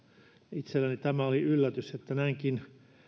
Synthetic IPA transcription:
it̪selːænit̪æmæoliylːæt̪yset̪ːænæiŋkin

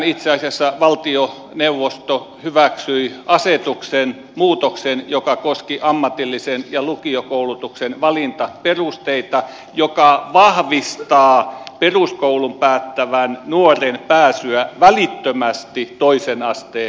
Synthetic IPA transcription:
nit̪seɑsiɑsːɑʋɑlt̪io | neuʋːost̪o | hyʋæksyiɑset̪uksen | muːt̪oksenjokɑkoskiʔɑmːɑt̪ilːisenjɑlukiokoulut̪uksenʋɑlint̪ɑperust̪eit̪ɑ | jokɑʋɑhʋist̪ɑːperuskoulumpæːt̪ːæʋænnuorenpæːsyæʋælit̪ːømæst̪it̪oisenɑst̪eː

